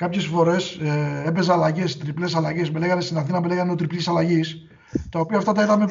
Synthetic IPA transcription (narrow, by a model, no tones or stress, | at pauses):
kɐpçe̞sfo̞ɾe̞sepe̞zɐlɐʝest̪ɾiple̞sɐlɐʝe̞smele̞ɣɐnest̪inɐθinɐmele̞ɣɐneo̞t̪ɾiplisɐlɐʝis | t̪ɐo̞piɐːft̪ɐt̪ɐiðɐme